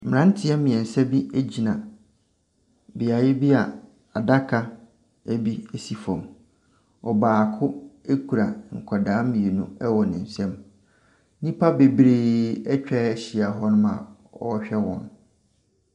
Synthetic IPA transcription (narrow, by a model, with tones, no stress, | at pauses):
m̩m˨ɾã˦n˦tʰɪ˦ɛ˦mĩ˨ɛ̃˨n̩˨sɛ˦bi˦æ˦d͡ʑi˨nã˨ | bɪ˨a˨jɪ˦bi˦a˨ | a˨da˦kʰa˦ | æ˦bi˦e˨si˨fɔ̃˨m | ɔ˨baː˨kʰʊ˦e˦kʰu˨ɾa˨ŋ̩˨kʷʰɔ˨daː˨˦mĩ˨e˨nʊ̃˦ɛ˦wɔ˨nɪ̃˨n̩˨sɛ̃˦m˦ | nĩ˦pʰa˦be˨bɾeː˨ɛ˦t͡ɕᶣɛ˦ɛ˦ɕɪ˨a˨ɦɔ˦nʊ̃˦mã̰˨ | ɔ̰˦ɕᶣɛ˦wɔ̰̃˨n